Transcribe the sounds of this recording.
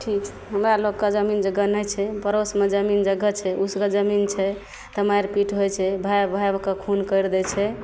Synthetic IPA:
ʈʰikt͡ʃʰɛɦəmɾalokkad͡ʒəmind͡ʒəɡənəjt͡ʃʰɛbəɾosmed͡ʒəmind͡ʒəɡːət͡ʃʰɛusɡəd͡ʒəmint͡ʃʰɛ | t̪əmajɾpiʈɦojt͡ʃʰɛbʱabʱajbkəkʰunkəjɾd̪ɛt͡ʃʰɛ

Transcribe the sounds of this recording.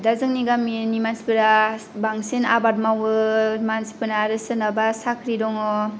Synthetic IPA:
dazɯŋniɡaminimansi̥pɯɾa | baŋsena̰bat̚mawɯmansi̥pɯnaɾɯsɯnabasakʰɾidɔŋɔ

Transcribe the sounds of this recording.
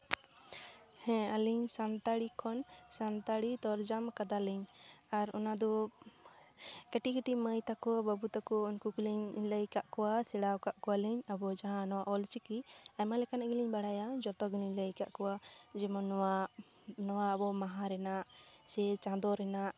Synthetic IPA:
hɛ̃aliɲsant̪aɽikʰɔnsant̪aɽit̪ɔɾd͡ʒamkad̪aliɲaɾɔ̰nad̪ɔ | kɛʈikiʈiməjt̪akɔbabut̪akɔunkukuliɲləjkaʔkɔwasɛɽawkaʔkɔwaliɲabɔd͡ʒaɦãnɔwaʔɔlt͡ʃikiamalɛkanaʔɡiliɲbaɽajad͡ʒɔɾt̪ɔɡiliɲləjka̰ʔkɔwad͡ʒɛmɔna | nɔwabɔmaɦaɾɛnaʔsɛt͡ʃãd̪ɔɾɛnaʔ

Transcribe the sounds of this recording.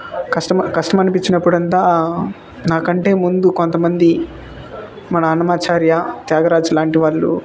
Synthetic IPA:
kɐʂʈɐmkɐʂʈɐmɐnipiɲt͡ʃːinɐpːuɽɐnt̪aː | naːkɐɳʈe̞ːmund̪uko̞nt̪ɐmɐnd̪i | mɐnɐːnɐmaːt͡ʃaːɾjɐt̪jaːɡɐɾaːd͡ʒlaːɳʈiʋaːɭːṵ

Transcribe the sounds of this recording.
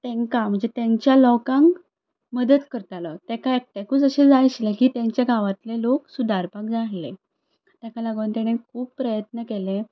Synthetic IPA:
t̪ẽŋkam̤əɳd͡zet̪jãɲt͡ɕjalɔkãŋk | məd̪ət̪kəɾt̪alɔt̪ɛkaek̚ʈ̪ekuːt͡səɕed͡zajɕlekiːt̪jãɲt͡ɕjaɡʱaʋat̪leloksud̪ʱaɾpak̚d͡zaɽle | t̪jãkalaɡənt̪ɛɽ̃ekʰuːppːɾəjət̪nəkelẽ

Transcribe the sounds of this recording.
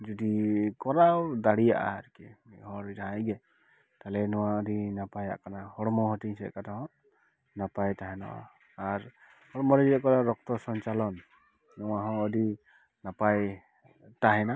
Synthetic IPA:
zɔdikɔɾawdaɽija̰ʔa̰aɾkɛ̰hɔɹtaɦajɡɛ | talɛnɔwaɔdinapaja̰ʔkanahɔɹmɔhɔtiŋsɛ̰katahɔ̃ | napajtaɦɛnɔ̰wa̰ː | ɹ | hɔɹmɔɾɛɛkɔnaɾɔk̚tɔsɔnt͡ʃalɔnː | ɔwaɦɔ̃ɔdi | napaj | taɦɛna

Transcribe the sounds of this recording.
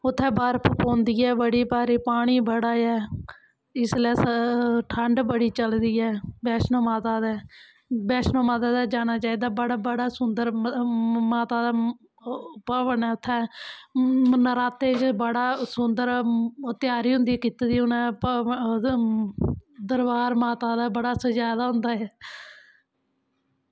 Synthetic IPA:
ʊt̪ʰːɛ̃ːbəɾpʰəpõːnd̪iːɛːbəɽiːpaːɾiːpaːɽ̃iːbəɽaːjɛː | ɪslɛːsʈʰəɳɖbəɽiːt͡ʃəld̪iːɛːbɛːsnoːmaːt̪aːd̪ɛː | bɛːsnõːmaːt̪aːd̪aːd͡ʒaːɽ̃aːt͡ʃaːiːd̪aːbəɽaːbəɽaːsʊnd̪əɾ | maːt̪aːd̪aː | pəʋənɛːʊt̪ʰːɛ̃ː | nəɾaːt̪eːt͡ʃbəɽaːsʊnd̪əɾt̪ɪjaːɾiːɦʊ̃nd̪iːkit̪ed̪iːʊnɛ̃ːp | d̪əɾbaːɾmaːt̪aːd̪aːbəɽaːsəd͡ʒaːd̪aːɦʊnd̪aːɦɛː

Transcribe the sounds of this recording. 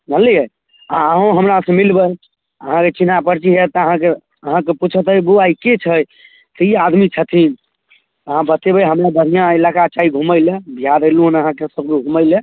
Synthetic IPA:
ɦəliə | aəɦõɦəmɾasə̃milbəj | əɦãket͡ʃinapəɾt͡ʃiɦet̪əɦãke | əɦãkeput͡ʃʰət̪ɦjbuaiket͡ʃʰəj | t̪əiad̪mit͡ʃʰət̪ʰin | əɦãbət̪ebəjɦəmɾabəɾijãelakat͡ʃaiɡʱuməɪlebʱijaɾeluɦunəɦãkesəb̚keɡʱuməɪle

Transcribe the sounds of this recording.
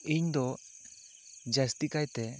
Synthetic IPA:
iɲd̪o | d͡ʒast̪ikajt̪e

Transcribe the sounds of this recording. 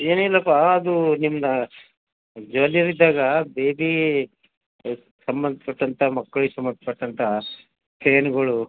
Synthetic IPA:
eːnilːɐpɐːd̪unimːɐnɐ | d͡ʒɐliɾid̪ːaːɡɐbeːbi | sɐmbɐnd̪pɐʈːɐnt̪ʰamɐkːɐɭusɐmbɐnd̪pɐʈːɐnt̪ʰɐ | kɾeːnɐɡɐɭu

